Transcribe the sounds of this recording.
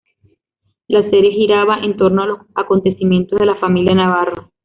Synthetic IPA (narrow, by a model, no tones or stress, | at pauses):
lase̞ɾje̞ɦiɾaβaʔe̞nt̪o̞ɾnoalo̞sako̞nt̪e̞simje̞nt̪ozðe̞lafamiljanaβaro̞